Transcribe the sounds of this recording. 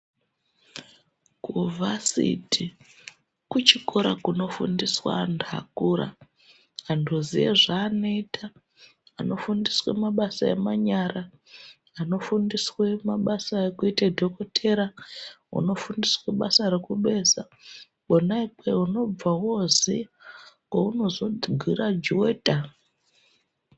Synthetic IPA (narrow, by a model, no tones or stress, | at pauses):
kuvasḭti | kut͡ʃikoɾa̰kuno̞fṵndiswa̰ndʱa̰kuɾa̰ː | ndʱuzijḛʐaːnoitʰa | ano̞fundiswḛmaɓasaḛmaɲaraː | no̞fundiswemaɓasaekuitadʱokotʰeɾa | ṵno̞fundisweɓa̰saɾekuɓe̞ːsa | ɓonaipweuno̞b͡vawo̞zi | kauno̞zo̞ɡʱwirad͡ʒuweːta